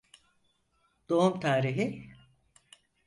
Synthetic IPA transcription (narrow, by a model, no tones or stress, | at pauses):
d̪̥oumt̪ʰaːɾiɦi